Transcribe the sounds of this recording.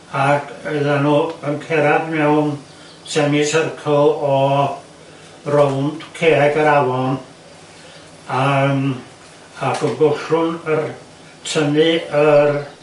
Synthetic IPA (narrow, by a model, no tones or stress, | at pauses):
aɡʰəðanuːənkʰɛɾadmɛwn | sɛŋɪsərkʰɔlˠɔ | rownd̥kʰeːɛɡəɾawɔn | am | aɡɔnbʊɬʊnər | tʰənɨər